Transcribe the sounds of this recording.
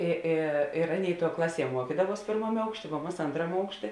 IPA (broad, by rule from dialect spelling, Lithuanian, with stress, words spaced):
ɪ ˈɪ ɪr ˈɑːˌnʲeːɪ tuɔ ˈklˠɑːˌsʲiɛ ˈmuɔkʲiːdɐʋuɔs ˈpʲeːrmɐmʲeː ˈɐʊkʃʲˌtʲeː ʋoː ˈmɐs ˈɐntrɐmʲeː ˈɐʊkʃʲˌtʲeː